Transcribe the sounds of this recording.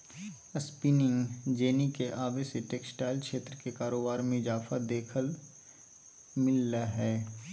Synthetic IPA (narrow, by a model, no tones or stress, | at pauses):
ɐspiːnɪ̃ŋɡd͡ʒeːnikeʔaːbeseʈeːksʈaːɪlkʃeːt̪ɾəkekaːɾoːbaːɾmẽɪzaːfad̪eːkʰəl | mɪlːaɦɛː